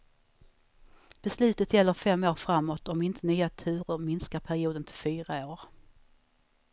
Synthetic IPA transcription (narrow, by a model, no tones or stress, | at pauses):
b̥ɛslʉ̟ːt̪ət̪jɛlːəɾfɛmːoːɾfɾamːot̪ʰɔmɪnt̪ʰənyːat̪ʰʉ̟ːɾʊɾmɪnskaɾpʰæɾɪuːd̪ənt̪ʰɪlfyːɾaoːɾ